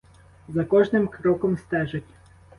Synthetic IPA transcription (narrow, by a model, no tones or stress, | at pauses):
zɐkɔʒnɪmkɾɔkɔmst̪ɛʒɐtʲ